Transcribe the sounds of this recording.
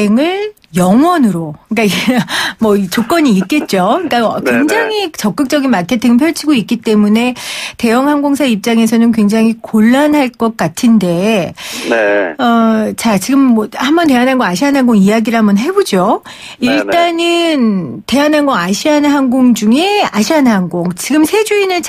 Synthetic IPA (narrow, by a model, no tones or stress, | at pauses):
eŋɯɭ | jʌŋwʌnɯɾok͈aiɡmʌit͡ɕok͈ʌɲiːt̚k͈e̞t̚t͡ɕ͈oik͈aʌkwe̞ŋd͡ʑaŋit͡ɕʌk͈ɯk̚t͡ɕ͈ʌɡinmatʰet͈ʰɯŋɯmpʰjʌɭt͡ɕʰiɡoik͈it͈e̞mune̞te̞jʌŋɦaŋɡoŋsʰaip̚t͡ɕ͈aŋe̞s̬ʰʌnɯnk̬we̞ŋd͡ʑaŋikoɭːanɦaɭk͈ʌk̚k͈atʰɯnde̞ | ʌt͡ɕat͡ɕiɡɯmːʌhambʌnt̬e̞anɦanɡʌaɕʰiɦanɦanɡoŋijaɡiɾɦamʌnɦe̞bod͡ʑo | iɭt͈anɯnte̞anɦanɡʌaɕʰiɦanɯnɦaŋɡoŋd͡ʑuŋe̞aɕʰiɦannɦaŋɡoŋt͡ɕiɡɯmsʰe̞d͡ʑuinɯt͡ɕʰ